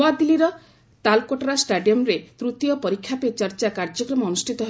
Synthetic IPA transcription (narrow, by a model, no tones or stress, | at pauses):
ad̪iliɾɔ | t̪alkoʈɔɾasʈaɖijɔmɾet̪ɾut̪jɔpɔɾikʰːjapet͡ʃɔɾt͡ʃakaɾd͡ʒɔkɾɔmɔːnusʈʰit̪ɔɦe